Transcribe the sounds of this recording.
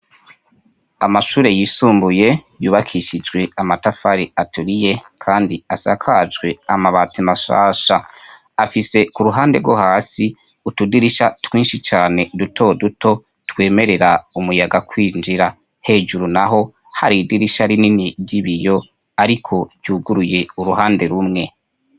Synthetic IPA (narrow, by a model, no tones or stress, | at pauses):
amaʃuːɾe̞jiːsuːmbuje̞juːβakʰiʃid͡ʒɡwe̞amatafaɾiatuɾije̞kʰaːndiasa̰kʰad͡ʒɡwe̞amaβatimaʃa̰ːʃaː | fise̞kuɾuɦaːnde̞ɡwohaːsi | utudiɾiʃatwiːnʃit͡ʃaːne̞dutʰo̞duto̞ | twe̞ːme̞ɾe̞ɾaumujaɡakʰwiːnd͡ʒiɾa | he̞ːʒuɾunaɦo̞ | haɾiːdiɾiʃaɾininiɾɟiβijo̞ | aɾikʰo̞ɟ̥uːɡuɾuje̞uɾuɦaːnde̞ɾumŋe̞